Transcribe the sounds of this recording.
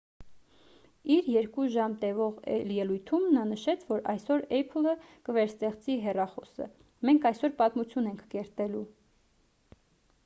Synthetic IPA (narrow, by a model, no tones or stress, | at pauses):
iɾjɛɾkuʒɑmt̪ɛvɔʁɛ̰ljɛlujt̪ʰumnɑnəʃɛt͡sʰvɔɾɑjsɔɾɛpʰələkəvɛɾst̪ɛχt͡siɦɛrɑχɔsə̰ | mɛŋkʰɑjsɔɾpɑt̪mut͡sʰjunɛŋkʰkɛɾt̪ɛlu